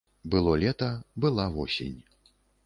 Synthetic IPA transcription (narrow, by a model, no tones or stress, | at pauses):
bɨlˠɔlʲɛt̪ɐbɨlˠavɔsʲḛnʲ